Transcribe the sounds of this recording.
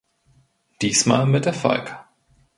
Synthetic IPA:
d̥iːsma̰ːlmɪt̚d̥eɐfa̰lk

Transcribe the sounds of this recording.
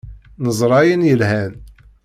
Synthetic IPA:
nəzˤɾˤɑjənjəlhæn

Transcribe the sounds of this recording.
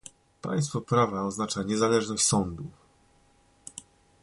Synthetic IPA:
pa̰j̃st̪fɔpɾavaɔznat͡ʂaɲɛzalɛʐnɔɕt͡ɕʲsɔnd̪uf

